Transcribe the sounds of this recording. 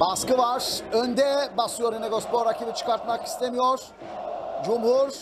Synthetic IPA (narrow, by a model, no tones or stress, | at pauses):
baskɯvaɾ̥ønd̪ɛbasujoɾineɡospoɾacʰibit͡ʃʰɯ̥kaɾt̪maki̥st̪ʰemijoɾ̥ | d͡ʒumhuɾ